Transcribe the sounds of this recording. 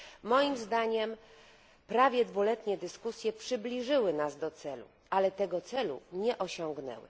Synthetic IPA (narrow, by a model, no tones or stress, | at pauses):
mɔjimzd̪aɲɛm | pɾavʲjɛd̪vulɛt̪ɲɛd̪ɘskusʲjɛpʂɘblʲiʐɘwɘnazd̪ɔt̪sɛlṵ | ʔalɛt̪ɛɡɔt̪sɛlṵɲɛʔɔɕɔŋɡnɛ̰wɘ̰